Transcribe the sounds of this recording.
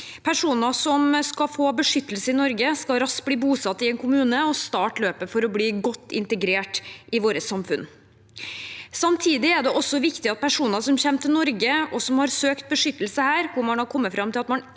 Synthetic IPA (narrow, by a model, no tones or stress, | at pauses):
pʰæʂuːnəsɔmskɑfoːbəʂʏt̪ːəl̩səɪnɔɾɡəskɑɾɑst̪̚bliːbuːsɑt̪ːɪɛnkʰʊmʉːnəɔst̪ɑːʈɭøːpəfɔɾɔbliːɡɔt̪ːɪ̰nt̪əɡɾeːʈʔɪʋoːɾəsɑmfʉn | sɑmt̪ʰiːd̪ɪæɖɛʔɔsːɔʋɪkt̪ɪɑt̪̚pʰæʂuːnəsɔmɕɛmt̪ʰɪlnɔɾɡəɔsɔmhɑɾsøːkt̪̚bəʂʏt̪ːəlsəhæːɾkʊɾmɑnhɑɾkʰɔmːəfɾɑmt̪ʰɪlɑt̪mɑn